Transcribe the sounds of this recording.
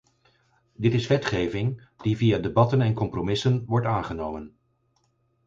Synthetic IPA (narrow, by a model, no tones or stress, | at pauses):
dɪtɪsʋɛtχejvɪŋ | d̥ivijadebɑtənɛnkɔmpromɪsənʋɔɹtaːnχənowmən